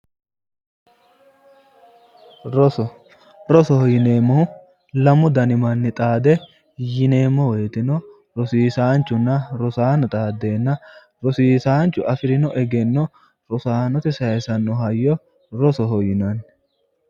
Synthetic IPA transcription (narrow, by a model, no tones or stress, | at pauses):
ɾɔsɔ | ɾɔsɔhɔjɪne̞ːmːɔhʊ | lɐmʊd̪ɐnɪmɐnːɪt̪ʼaːd̪ɛ | jɪneːmːɔweːt̪ɪnɔ | ɾɔsiːsaːnt͡ʃːʊnːɐɾɔsaːnɔt̪ʼaːd̪e̞ːnːɐ | ɾɔsiːsaːnt͡ʃːʊʔɐfɪɾɪnɔʔɛɡɛnːɔ | ɾɔsaːnɔt̪ɪsɐɛsɐnːɔɦɐjːɔ | ɾɔsɔɦɔjɪnɐn